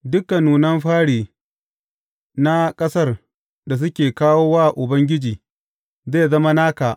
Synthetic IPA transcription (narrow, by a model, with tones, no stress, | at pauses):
dʊ˦kːa˨nuː˨nɐ˦mɸaː˦ɽiː˨ | na˦kʼɐ˦sɐ˦r | da˨s̬ʊ˦kʲeː˨kaː˦woː˦waː˦˨ʔʊ˨bɐ˦ŋɡʲɪ˦d͡ʒiː˨ | zeː˦˨zɐ˦ma˦naː˦kaː˨ʔ